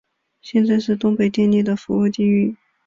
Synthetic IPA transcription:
ɕjɛ˥˧nt͡sa˥˧ɪʂɻ̩˥˧t̪ʊ˥ŋpe˨˩ɪt̪jɛ˥˧ni˥˩d̪ə˩fu˧˥u˥˧t̪i˥˧y˥˩

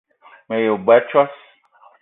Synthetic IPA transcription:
mẽ˨jo˨bɛ˨˦t͡ʃɔ˦s

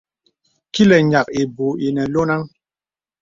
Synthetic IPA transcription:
ki˦lɛ˨ɲa˨ki˨bu˨i˨nɛ˨lo˦na˦ŋ

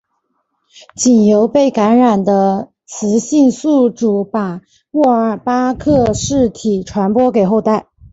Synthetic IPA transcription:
t͡ɕi˨˩njo˧˥ʊpe˥˩ɪka˧˥nɻa˨˩nd̪ə˦ | t͡sʰɹ̩˧˥ɕi˥˧nsu˥˩ʈ͡ʂu˨˥˩pa˨˩ | wɔ˥˩ə˞˨˩pa˥kʰɤ˥˧ʂɻ̩˥˩t̪ʰi˨˩ʈ͡ʂʰwa˧˥npwɔ˥ke˨˩ɪxo˥˧ʊt̪a˥˩ɪ

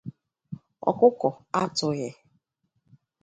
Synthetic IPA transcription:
ɔ̰˨kʊ˦kɔ˨a˦tʊ˨jɛ˨

